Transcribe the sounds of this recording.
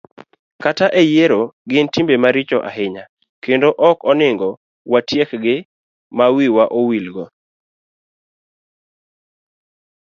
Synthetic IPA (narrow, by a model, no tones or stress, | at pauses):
kataʔɛjeɾoɡɪntimbemaɾɪt͡ʃɔʔa̰ɦɪɲa | kendoʔɔkɔnɪŋɡɔ | watjekɡɪ | mawiwaʔowilɡɔ